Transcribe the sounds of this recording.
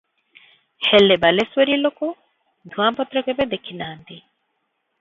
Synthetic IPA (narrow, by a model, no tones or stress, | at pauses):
helːebɐlesweɾiːloko | d̪ʱuaːmpɔt̪ɾɐɡebed̪ekʰːinaːnt̪i